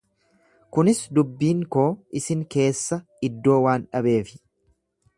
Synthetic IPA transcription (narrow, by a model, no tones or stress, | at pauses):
kʊnɪsd̪ʊbːiːŋko̞ːʔɪsɪŋke̞ːsːɐ | ɪd̪ːo̞ːwaːnᶑɐbe̞ːfɪ̥